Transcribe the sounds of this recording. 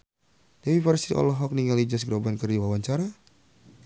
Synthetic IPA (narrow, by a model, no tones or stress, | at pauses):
d̥awiparsiʔɔ̰lɔɦɔk̚niŋalid͡ʒas̬ɡɾobankərdiwawaɲt͡ʃaɾa